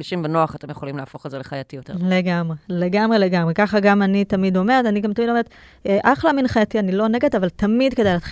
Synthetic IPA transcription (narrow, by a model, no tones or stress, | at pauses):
iʃimbenoaχatemjeχolimleafo̞χelzeleχajatijoteleɡamʁeleɡamʁe̞le̞ɡamʁekaχaɡamanitamido̞meʁetaniɡamtamid̪o̞eet̪ | ʔaχleaminχajat̪ianilo̞ne̞ɡet̪avaltamid̪ke̞d̪ajlaːt